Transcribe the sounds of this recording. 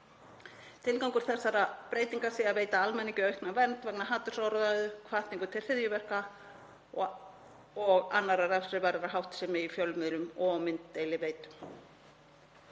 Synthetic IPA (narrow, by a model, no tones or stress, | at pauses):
t̪ʰɪlkawŋkʏɾ̥θɛsːaɾapɾeːjt̪iŋkḁsɪaðveːjt̪aalmɛnːiɲcʏœɥhknavɛnt̪vɛknaɦaːt̪ʏ̥saːwɾaðaɣðʏkʰvaht̪niŋkʏt̪ʰɪl̥r̥ɪðjʏvɛr̥ka | ɔɣa̰nːaɾaɾɛfsɾɪvaɾɪɾaɦawht̪sɛmɪifjœlmɪðɾʏmɔmɪnt̪ːejlɪveːjt̪ʏm